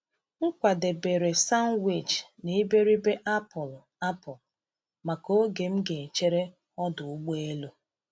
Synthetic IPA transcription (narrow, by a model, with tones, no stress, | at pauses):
ŋ̩˦kʷa˨de˨be˨ɾe˨sa˦n˦wi˨t͡ʃni˦be˦ɾi˦be˦ʔa˦pɔ˨l | a˦pɔ˨l | ma˨ko˦ɡe˨m̩˦ɡe˨e˨t͡ʃe˦ɾe˦ | ɔ˦dʊ˨ʊ˦ɡ͡be˦lo˦